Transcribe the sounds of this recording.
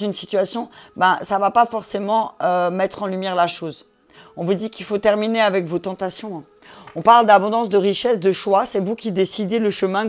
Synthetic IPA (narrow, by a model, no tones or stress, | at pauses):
ynsi̥t̪ɥasjɔ̃bɛ̃savapafɔʁsemɑ̃ømɛt̪χɑ̃lymjɛʁlaʃoz | ɔ̃vud̪ikilfot̪ɛʁmineavɛkvot̪ɑ̃t̪asjɔ̃ | ɔ̃paʁld̪abɔ̃d̪ɑ̃sd̪əʁiʃɛsd̪əʃwasɛvukʲid̪esid̪eləʃəmɛ̃